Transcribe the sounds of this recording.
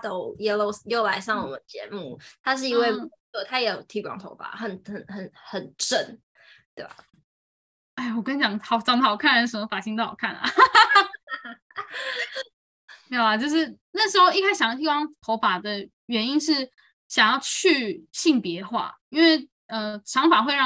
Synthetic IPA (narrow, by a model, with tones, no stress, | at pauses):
t̪o˥ʊjɛ˨˩lo˧ʊjo˥˩ʊla˧˥ɪʂɑ˥˩ŋwɔ̰˨˩mə̰˨˦nt͡ɕjɛ̰˧˥˦mu˥˩t̪ʰa˥ʂ̬ɻ̩˥˩i˧˥ŋwe˥˩ɪw | ɔ˥˩t̪ʰa˥jɛ˨˦˩jo˨˩ʊt̪ʰi˥kwɑ̰˥˧ŋt̪ʰo̰˧˦ʊpa̰˨˩xə˨˩nxə˨˩nxə˨˦nxə˨˩nʈ͡ʂə˥˩n | t̪we˥˩ba̰˨˩ | e˥˩wɔ˨˩kə˦nt͡ɕjɑ˨˩ŋhɑ˨˩ʊʈ͡ʂɑ˨˩ŋd̪kʰa˥˧n˥˩ʂə˨˦mə˧˩fa˨˩ɕi˥ŋt̪o̰˥˩˨kʰa˥˩na̰˨˩˥ | a˨˩t͡ɕjo˥˧ʊʂ̬ɻ̩˥˧na˥˩ʂ̩˧˥xo˥˧i˥˧kʰa˥sɕɑ˨ŋjt̪ʰi˥kwɑ˥ŋt̪ʰo˧˥ʊpa˨˩d̪ə˩ | ɥɛ˧˦˥ni˦nʂɻ̩˥˩ | ɕjɑ˨˩ŋjɑ˥˧ʊt͡ɕʰy˥˧ɕi˥˩ŋpjɛ˧˦xwa̰˥˩i˦nwe˥˩ɪ | ə˨ʈ͡ʂʰɑ˧˥ŋfa˨˩xwe˥˧ɪɻɑ˥˨